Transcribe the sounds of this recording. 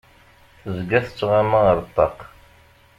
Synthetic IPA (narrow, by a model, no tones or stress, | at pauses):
θzɡæθə̥t͡sːʁamaəɾˤt̪ˤːɑq